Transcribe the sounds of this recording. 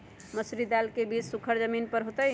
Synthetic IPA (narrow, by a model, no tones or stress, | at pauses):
məsɾid̪alkebit͡ʃsukʰəɾd͡ʒəminpəɾɦot̪əj